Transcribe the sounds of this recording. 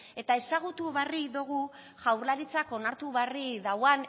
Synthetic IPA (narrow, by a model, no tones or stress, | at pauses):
e̞t̪ae̞saɣ̞ut̪uβariðuɣ̞u | ʝawɾlaɾit͡sako̞naɾt̪uβariðawan